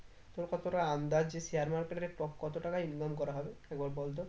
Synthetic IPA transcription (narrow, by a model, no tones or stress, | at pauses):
t̪oɾkɔt̪oɾaand̪ad͡ʒesiaɾmaɾkeʈɔɾeʈɔkːɔt̪oʈakainɡamkɔɾaɦɔbeɛkbɔɾbɔld̪ɔ